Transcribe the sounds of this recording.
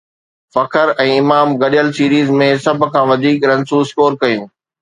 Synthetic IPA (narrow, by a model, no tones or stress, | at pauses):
fɐkʰəɾɛ̃ːɪmaːmɡɐɗijəlsiːɾiːzmẽsɐbʱʊ̆kʰãːʋɐd̪ʱiːkɾɐ̃nsuːskoːɾkɐjũː